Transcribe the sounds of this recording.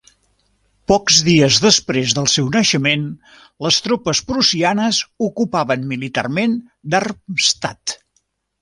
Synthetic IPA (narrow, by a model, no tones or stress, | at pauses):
pɔkzðiəzðəspɾezðəlˠsɛwnəʃəmen | ləst̪ɾopəspɾusianəzukupaβənmilit̪a̰rmen | d̪arst̪at̪